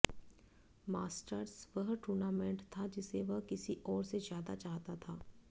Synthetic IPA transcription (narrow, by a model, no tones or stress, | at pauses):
maːsʈəɾsʋɐɦʈuːɾnaːmẽɳʈt̪ʰad͡ʒɪseʋəɦkɪsiʔɔːɾsezjaːd̪a̰t͡ʃaːɦt̪at̪ʰaː